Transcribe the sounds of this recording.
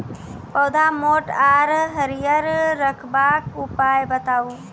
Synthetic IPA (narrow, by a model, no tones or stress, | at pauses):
pɐwd̪ʱamoːʈaːɾɦəɾjəɾɾəkʰbaːkʊpaːjbət̪aːuː